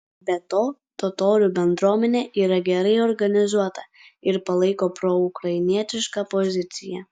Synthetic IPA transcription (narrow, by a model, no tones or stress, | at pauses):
bʲɛt̪oːt̪ɔt̪oːɾʲubʲɛnd̪ɾuːmʲɛnʲeːʔiːɾɐɡʲɛɾɐɪɔɾɡɐnʲɪzuɔt̪ɐ | ɪɾpɐlˠɐɪkoːpɾɔʊkɾɐɪnʲiɛt̪ʲɪʃkɑpɔzʲɪt̪sʲɪjɛ̰